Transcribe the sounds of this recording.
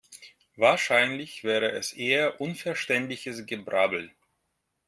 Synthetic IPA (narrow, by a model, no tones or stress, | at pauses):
vaːɐʃaɪnlɪçv̥ɛːʁəʔɛsʔeːɐʔʊnfɛɐʃtɛntlɪçəsɡəbʁabl̩